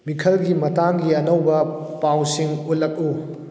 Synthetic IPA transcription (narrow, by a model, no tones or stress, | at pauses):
mikʰɐlɡimɐtaŋɡiɐnowbɐpawsiŋut̚lɐk̚u